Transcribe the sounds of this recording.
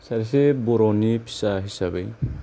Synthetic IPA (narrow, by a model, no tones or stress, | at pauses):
saɾisebɔɾɔnipʰi̥saɦisabej